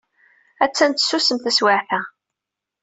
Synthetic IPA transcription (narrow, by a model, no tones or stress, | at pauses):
æt͡sːænt̪sːusəmθæswaʕθæ